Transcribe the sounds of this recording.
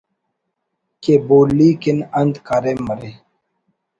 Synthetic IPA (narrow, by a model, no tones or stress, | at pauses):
keboːlːiːkinɐnd̪kaːɾemːɐɾe